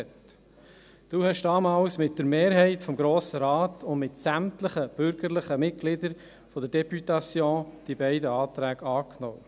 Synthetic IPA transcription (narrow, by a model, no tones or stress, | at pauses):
t | d̥uːhɛʃd̥ɑːmɑːlsmɪt̚d̥əɾmeːɾɦɛɪtfɔmɡɾoːsəɾɑːtʊndmɪtsæmtləχəb̥ʏɾɡ̥əɾləχəmɪt̚ɡ̥lɪdəɾ | fɔdəɾd̥ɛpytɑsjɔ̃ːd̪̥ibɛɪdəɑːt̪ɾæːɡ̥ɑːknɔ̰ː